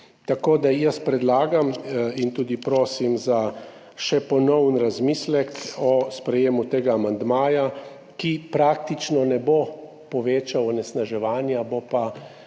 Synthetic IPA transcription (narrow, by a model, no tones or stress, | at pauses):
t̪akoːd̪ajəspɾɛd̪laːɡamint̪uːd̪ipɾoːsimza | ʃɛpɔnɔwnɾazmiːslɛkɔspɾɛjeːmut̪eːɡaːmand̪maːja | kipɾaːk̚t̪it͡ʃnɔnɛbo | pɔʋeːt͡ʃawɔnɛsnaʒɛʋaːnjabopa